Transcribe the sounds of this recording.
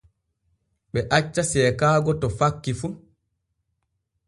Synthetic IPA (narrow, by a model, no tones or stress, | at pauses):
ɓɛʔat͡ʃːasɛːkaːɡɔtɔfakːifu